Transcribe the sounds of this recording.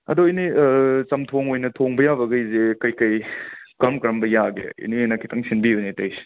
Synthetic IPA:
ɐ̰doinit͡ʃɐmtʰoŋojnɐtʰoŋbɐjabɐɡɐjzekɐjkɐjkɐɾɐmkɾɐmbɐjaɡḛḭniojnɐkʰitʰɐŋsinbijunetɐjs

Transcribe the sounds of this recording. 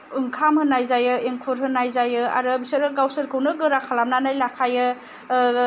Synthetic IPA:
ɯŋkʰamhɯnːajzajɯeŋkʰuɾɦɯnːajzajɯa̰ɾɯbisɐɾɯɡawsɯɾkʰɯwnɯɡɯɾakʰalamnanajlakʰajɯ

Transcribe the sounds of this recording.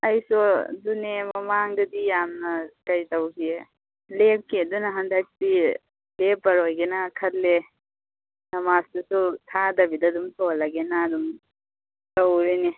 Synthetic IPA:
ɐjsɔdunemɐmaŋdɐdijamnɐkɐjtɐwɡie | lep̚kidunaɦɐnd̪ak̚ti | lepːɐɾojɡenakʰɐtle | nɐmasdusutʰadɐbidad̪umtɔlaɡenad̪um | tawɾine

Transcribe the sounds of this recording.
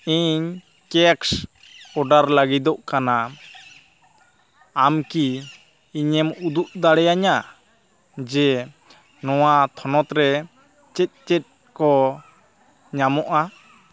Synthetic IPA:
iɲ | kɛks | ɔɖaɾlaɡid̪ɔʔkana | amkiː | ɲɛmud̪uʔd̪aɽɛjaɲa | d͡ʒɛ | nɔwat̪ʰɔnɔt̪ɾɛ | t͡ʃɛt̪̚ˀt͡ʃɛt̪̚ | kɔ | ɲamɔʔa

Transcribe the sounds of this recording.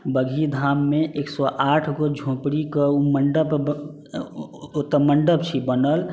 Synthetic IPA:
bəɡʱid̪ʱaːmːẽʔeːksɔʔaːʈʰɡod͡ʒʱõːpɽikəuməɳɖəb | t̪məɳɖəbt͡ʃʰibənəl

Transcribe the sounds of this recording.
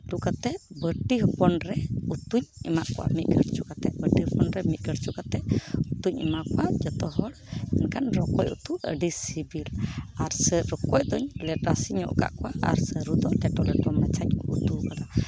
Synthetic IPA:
d̪ukat̪ɛbəʈiɦəpɔnɾɛut̪uɲimaʔkwa̰miʔɡəɾt͡ʃukat̪ɛbəʈihəpɔnɾɛmit̪̚ɡəɾt͡ʃukat̪ɛʔut̪uɲimakwad͡ʒɔt̪ɔɦɔɽmɛnkanɾɔkɔjṵt̪uə̰ɖisibilaɾsəɾɔkɔʔd̪ɔɲlɛʈasiɲɔ̰ʔka̰ʔkwaʔa̰ɾsəɾud̪ɔʔd̪ɛʈɔʔlɛʈɔmnat͡ʃaɲɔ̰ʔut̪ukad̪a

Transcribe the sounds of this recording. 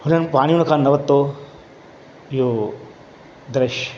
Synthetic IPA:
hunɐnpaːɽ̃ijunɐkʰaːnnːɐʋɐt̪ːo | joː | d̪ɾɐʃ

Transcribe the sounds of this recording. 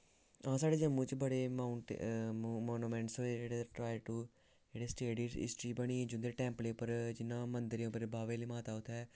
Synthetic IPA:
ãːsaːɽeːd͡ʒəmːũːt͡ʃbəɽeːmaːɳ̰ | moːnuːmɛ̃ːɳʈsɦoːeːd͡ʒeːɽeʈɾaːjʈu | d͡ʒeːɽeːsʈeːɽiːɪ̰sʈɾiːbəɽ̃iːd͡ʒʊnd̪eʈɛ̃ːmpleːpəɾd͡ʒɪnːãːmənd̪əɾĩʊpəɾebaːʋeːliːmaːt̪aːʊt̪ʰɛː

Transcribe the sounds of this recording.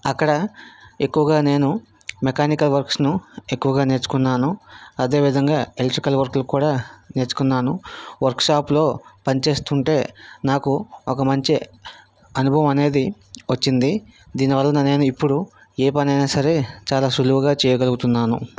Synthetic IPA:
ɐkːɐɽɐe̞kːuʋɐɡaːne̞ːnu | mekaːnikɐlʋɐɾksnue̞kːuʋɐɡaːne̞ːɾt͡ʃu̥kunːaːnuɐd̪e̞ːʋid̪ʱɐŋɡaːeleʈɾikɐlʋɐɾklukuːɽaːne̞ːɾt͡ʃu̥kunːaːnuʋɐɾkʂaːplo̞ːpɐnit͡ʃe̞ːst̪uɳʈe̞ːnaːkuɔkɐmɐɲt͡ʃi | ɐnubʱɐʋɐmɐne̞ːd̪i | ʋɐt͡ʃːind̪id̪iːniʋɐlːɐnɐne̞ːnuipːuɽu | eːpɐnɐjnaːsɐɾe̞ːt͡ʃaːlaːʃuluʋɐɡaːt͡ʃɛːjɐɡɐluɡut̪unːaːnṵ

